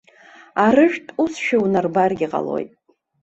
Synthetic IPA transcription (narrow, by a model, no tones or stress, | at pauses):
arɨʒᶣtʼusʃᶣawnarbarɡʲiqʼa̰lo̞̰jtʼ